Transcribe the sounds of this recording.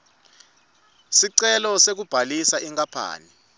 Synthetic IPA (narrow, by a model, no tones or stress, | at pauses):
siǀɛlɔsek̬ub̥ʱalisaʔiŋkʼapʰa̰ːni